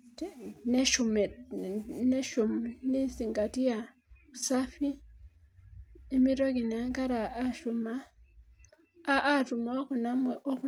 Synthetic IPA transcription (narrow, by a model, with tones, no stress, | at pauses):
ne˦ʃu˨me˨ | ne˦ʃu˨mni˦si˨ŋɡa˨ti˦ja˨ | u˨sa˦fi˦ | mi˦ɾo˦ki˨n˨a˦ŋka˦ɾa˨ʔa˦ʃu˨ma˦ | ʔːtu˨m˦o˦ku˨na˦mwe˨ʔo˦ku˦